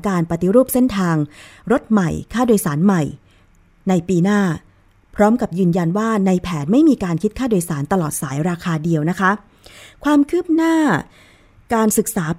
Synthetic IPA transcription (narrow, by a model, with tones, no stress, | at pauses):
kaː˧npa˧t̪i˧ɾuː˥˩p̚se˥˩nt̪ʰaː˧ŋɾo˦˥t̪̚ma˨˩jkʰaː˥˩doː˧jsaː˩˦nma˨˩j | na˧jpiː˧naː˥˩ | pʰɾɔː˦˥mka˨˩p̚jɯː˧nja˧nwaː˥˩na˧jpʰɛː˩˦nma˥˩jmiː˧kaː˧nkʰi˦˥t̪̚kʰaː˥˩doː˧jsaː˩˦nt̪a˧lɔː˨˩t̪̚saː˩˦jɾaː˧kʰaː˧di˧əwna˦˥kʰa˦˥ | kʰwaː˧mkʰɯ˥˩p̚naː˥˩ | kaː˧nsɯ˨˩k̚saː˩˦